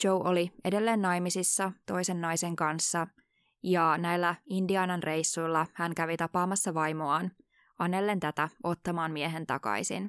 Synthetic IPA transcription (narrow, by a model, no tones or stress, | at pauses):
t͡ʃowʔolie̞de̞lːeːnːɑjmisisːɑt̪o̞jse̞nːɑjseŋkɑnsːɑ | jɑnæilːæindiɑnɑnre̞jsːujlːɑhæŋkæʋit̪ɑpɑːmɑsːɑʋɑjmoɑːn | ɑnːelːe̞nt̪æt̪æo̞t̪ːɑmɑːnmieɦe̞nt̪ɑ̰kɑ̰isḭn